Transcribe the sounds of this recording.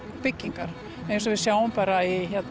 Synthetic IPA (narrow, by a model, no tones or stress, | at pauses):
pɪcːiŋkaɾ̥ | ẽjns̬ɔvɪðsjaːwʏmpaːɾaiçɛt̪n